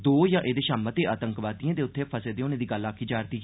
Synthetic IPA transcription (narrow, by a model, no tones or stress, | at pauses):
d̪oːjãːʔeːd̪eːʃaːmət̪eːʔaːt̪əŋkʋaːd̪iːãːd̪eːʊt̪ʰːeːpʰəseːd̪eːʊnãːd̪iːɡəlaːkʰːiːd͡ʒaːɾt̪iː